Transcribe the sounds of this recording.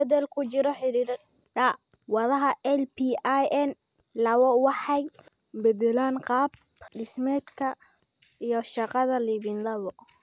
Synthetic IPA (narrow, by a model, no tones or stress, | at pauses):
ɛðɛlkʰʊt͡ʃɪɾɔħɪɾiːɾ | dɐ | wɑðɐɦɐɛlpʰiajɛn | lɐβɔwɑħɑj | bɛdɛlaːnqɑːb̚ | ɖɪsmɛːd̪kʰɐ | ijɞʃɑqɑðɐliβɪnlɐβɔ